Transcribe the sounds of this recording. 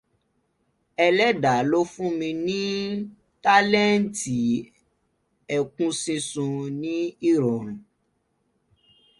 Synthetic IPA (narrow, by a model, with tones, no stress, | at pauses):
ɛ˧lɛ˦da˨˦lo˦fũ˦mĩ˧nĩ˦ | ta˦lɛ˦n̩˦˨˦ti˨ | ɛ˨kũ˦sĩ˧sũ˧nĩ˦i˦ɾo˨nũ˨